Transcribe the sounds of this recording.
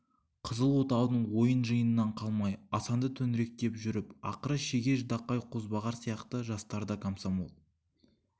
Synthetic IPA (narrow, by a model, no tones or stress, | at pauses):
qʰəzəlˠwo̞t̪ɑwənəɴwo̞jənʒəjənənːɑɴqʰɑlˠmɑjɑsɑnd̪ət̪ʰɵnɪɾe̞k̚t̪e̞pʒʏɾɪpɑ̰qəɾəʃeɡʲe̞ʒd̪ɑqːɑjqʰozbɑʁɑɾsijɑqt̪əʒɑst̪ɑɾd̪ɑkʰomsomo̰lˠ